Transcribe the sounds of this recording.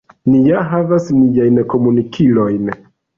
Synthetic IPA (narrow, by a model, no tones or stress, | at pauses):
nijaɦavasnijajnɛkɔmunikʰilojn